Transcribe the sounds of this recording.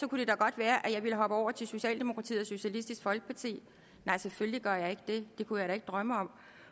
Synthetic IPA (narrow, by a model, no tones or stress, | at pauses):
sɒ̽kud̥e̝d̥ɑɡ̥ɒ̽d̥ʋæːɐʔæjɑ̈ɪʋiləɦɒ̽b̥əɒʊ̰ɐt͡sʰe̝lso̝ɕɛ̰ːld̥e̝mo̝kʰʁɑ̈t͡sʰḭːɒso̝ɕælisd̥isɡ̥fɒ̽lɡ̥ə̥pʰɑt͡sʰḭː | nɑ̈ɪ̰sefølliɡ̥ɶɐ̰jɑ̈ɪe̝ɡ̥əd̥e̝d̥e̝kʰuæaɐɾ̥ɑe̝ɡəd̥ʁɶməɒ̽m̰